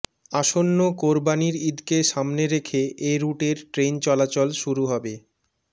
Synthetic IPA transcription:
aʃonːokoɾbaniɾid̪keʃamneɾekʰeʔeɾuʈeɾʈɾent͡ɕɔlat͡ɕolʃuɾuɦɔbe

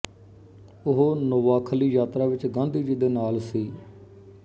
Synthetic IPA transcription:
ʊɦonəʋaːkʰəliːjaːt̪ɾaːʋɪt͡ʃɡãːnd̪iːd͡ʒiːd̪eːnaːlsiː

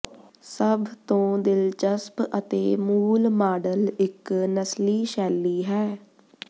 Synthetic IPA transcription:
səbt̪õːd̪ɪld͡ʒəspət̪eːmuːlmaːɖəlɪknəsliːʃɛːlːiːɦɛː

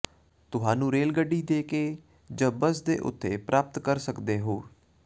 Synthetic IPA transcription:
t̪ʊɦaːnũːɾeːlɡəɖiːd̪eːkeː | d͡ʒəbəsd̪ḛːʔʊ̰t̪ːḛːpɾaːp̚t̪kəɾsəkd̪eːɦoː

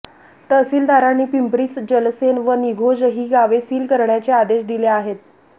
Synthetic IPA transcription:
t̪əsiːld̪aɾaɳːiːpimpɾisd͡ʑəlsenʋəniɡʱod͡ʑəɦiːɡaʋesiːlkəɾɳjat͡sead̪eɕd̪ileaɦet̪̚

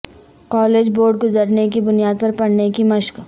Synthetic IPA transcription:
kɔːleːd͡ʒboːɾɖ̚ɡʊzəɾnekibʊnijaːd̪̚pɐɾpɐɽnekimɐʃk

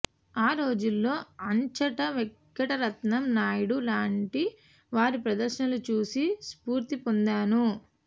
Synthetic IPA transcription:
aːɾo̞ːd͡ʒulːo̞ːɐɲt͡ʃɐʈɐʋɛkːɐʈɐɾɐt̪nɐmnaːjɐɽulaːɳʈi | ʋaːɾipɾɐd̪ɐɾʃɐnɐlut͡ʃuːsispuːɾt̪ipond̪aːnu

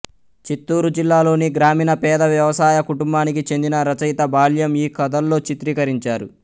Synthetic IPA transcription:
t͡ʃit̪ːuːɾud͡ʒilːaːlo̞ːniɡɾaːmiːnɐpɛːd̪ɐʋjɐʋɐsaːjɐkuʈumbaːnikit͡ʃe̞nd̪inɐɾɐt͡ʃɐjt̪ɐbaːljɐmiːkɐd̪ɐlːo̞ːt͡ʃit̪ɾiːkɐɾiɲt͡ʃaːɾṵ

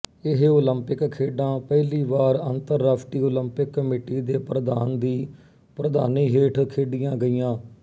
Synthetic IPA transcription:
ɪɦoːləmpɪkkʰːeːɖãːpɛːliːʋaːɾənt̪əɾːəpʰʈiːoːləmpɪkːəmeːʈiːd̪eːpɾəd̪a̰ːnd̪iː | pɾəd̪a̰ːniːɦeːʈʰkʰːeːɖɪjãːɡəiːjãː

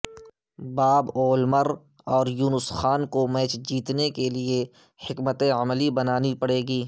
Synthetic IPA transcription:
baːboːlməɾ | ɔːɾjuːnʊsxaːnkomɛːt͡ʃd͡ʒiːt̪nekelie | hɪkmət̪ẽɐmlibɐnaːnipɐɽeːɡiː

